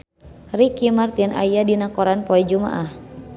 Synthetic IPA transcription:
rikimart̪ina̰jadinakɔɾanpɔɛd͡ʒuma̰ʔah

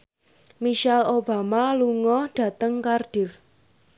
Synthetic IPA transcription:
miʃalob̥a̤maluŋɔɖ̥ä̤t̪əŋkarɖ̥ɪf

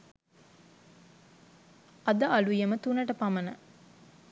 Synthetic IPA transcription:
ɐd̪ɐʔɐlujɐmət̪unɐʈəpɐmɐnɐ

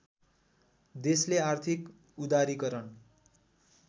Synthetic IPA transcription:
d̪esleart̪ʰik | ud̪aɾikʌɾʌn

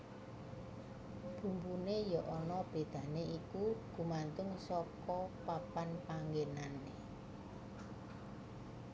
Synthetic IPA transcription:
b̥ṳmbunejɔʔɔnɔb̥e̤d̪̥ä̤neikuɡ̥ṳmant̪ʊŋsɔkɔpapanpaŋɡenane

